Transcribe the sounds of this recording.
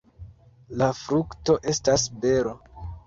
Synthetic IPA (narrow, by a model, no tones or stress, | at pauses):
lafɾukto̞ʔe̞stasbe̞ɾo